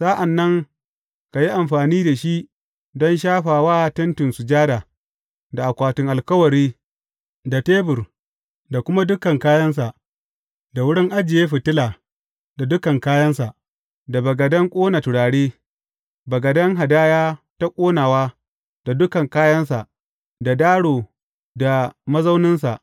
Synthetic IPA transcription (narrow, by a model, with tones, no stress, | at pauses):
saː˦ʔa˨nːɐ˦ŋ | ka˨ji˦ʔa˨mɸaː˨niː˦da˨ʃi˦ʔ | dɔ˦nʃaː˦ɸaː˨waː˦tɐ˦ntɪ˨nsʊ˨d͡ʒaː˦daː˨ | da˨ʔa˨kʷaː˨tʊ˨ŋʔa˨lkɐ˦wɐ˨ɾiː˦ | da˨teː˦bʊ˨r | da˨kʷʊ˦ma˦dʊ˦kɐ˨ŋkaː˦jɐ˦ns̬a˨ʔ | da˨wʊ˦ɽɪ˦ŋʔa˦d͡ʒɪ˨jeː˦ɸɪ˨tɪ˦laː˨ | da˨dʊ˦kɐ˨ŋkaː˦jɐ˦nsa˨ʔ | da˨bɐ˨ɡɐ˨dɐ˦ŋkʷʼoː˦na˨tʊ˨ɽaː˨ɽeː˦ | bɐ˨ɡɐ˨dɐ˦ŋɦa˨daː˦jaː˦ta˦kʷʼoː˦naː˨waː˦ | d̥a˨dʊ˦kɐ˨ŋkaː˦jɐ˦ns̬a˨ʔ | da˨daː˦ɽoː˨ | da˨mɐ˦za˦wnɪ˦ns̬a˨ʔ